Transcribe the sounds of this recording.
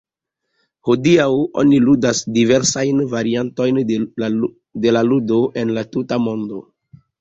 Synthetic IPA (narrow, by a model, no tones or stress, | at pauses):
ho̞diawo̞̰niludasdive̞ɾsajnvaɾianto̞jn | de̞laludoʔe̞nlatutamo̞ndo